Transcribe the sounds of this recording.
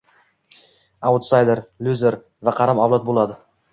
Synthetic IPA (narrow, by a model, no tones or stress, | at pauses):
awt̪sajd̪eɾlʲuzeɾ | vaqʰɑɾamawlat̪̚bolˠad̪ɪ